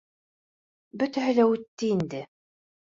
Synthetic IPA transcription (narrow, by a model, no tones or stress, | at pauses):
bɵt̪æɦɘ̆læʉt̪ːɘind̪ɘ